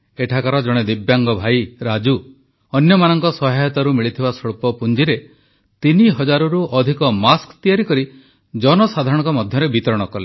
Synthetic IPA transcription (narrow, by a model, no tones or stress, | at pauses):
eʈʰakaɾɔd͡ʒɔɽ̃ed̪ibjaŋɡɔbʱajɾad͡ʒu | ɔnjɔmanɔŋkɔsɔɦajɔt̪aɾumiɭit̪ʰibasɔɭpɔpund͡ʒiɾe | t̪iniɦɔd͡ʒaɾuɾuʔɔd̪ʱikɔmaskt̪ijaɾikɔɾi | d͡ʒɔnɔsad̪ʱaɾɔɽ̃ɔŋkɔmɔd̪ʱjɔɾebit̪ɔɾɔɽ̃ɔkɔɾle